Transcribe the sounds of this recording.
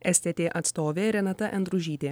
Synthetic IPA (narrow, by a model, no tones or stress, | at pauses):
ɛsʲt̪ʲɛt̪ʲeːʔɐt̪st̪oːʋʲeːɾʲɛnɐt̪ɐʔɛnd̪ɾʊʒʲiːt̪ʲeː